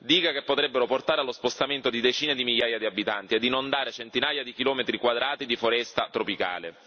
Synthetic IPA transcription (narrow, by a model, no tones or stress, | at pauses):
d̪iːkakepːot̪ɾɛbːeɾoport̪aːɾealospost̪ament̪od̪id̪et͡ʃiːned̪imiʎːaːjad̪iabːit̪ant̪iɛd̪ːinond̪aːɾet͡ʃent̪inaːjad̪ikilɔːmet̪ɾikwad̪ɾaːt̪id̪ifoɾɛst̪at̪ɾopika̰ːlḛ